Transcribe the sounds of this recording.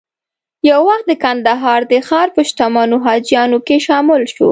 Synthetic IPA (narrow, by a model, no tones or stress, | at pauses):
jawːaxt̪̚d̪əkand̪aɦɑɾd̪əxɑɾpəʃt̪amɑnoɦɑd͡ʒjɑnokeʃɑmɪlʃo̰